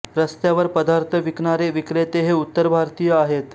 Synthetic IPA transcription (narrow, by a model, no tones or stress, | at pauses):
ɾəst̪jaʋəɾpəd̪aɾt̪ʰəʋikɳaɾeʋikɾet̪eɦeut̪ːəɾbʱaɾt̪ijəaɦet̪